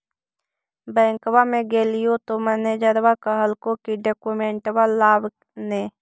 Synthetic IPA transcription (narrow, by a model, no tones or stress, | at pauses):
bɛ̃ːŋkwamẽɡeːlijot̪oməned͡ʒəɾwakəɦəlkõkiɖeːkumẽːɳʈwalːaːb | neː